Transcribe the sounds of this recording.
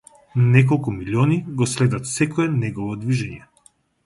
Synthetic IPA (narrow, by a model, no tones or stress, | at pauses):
nɛk̬ɔlˠkumilʲiɔniɡɔslɛd̪at̪sɛkɔɛnɛɡɔvɔd̪viʒɛɲɛ